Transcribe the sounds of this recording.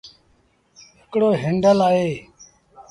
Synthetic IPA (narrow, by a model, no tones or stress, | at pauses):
ɦɪkɽoːɦɪɳɖəlaːeː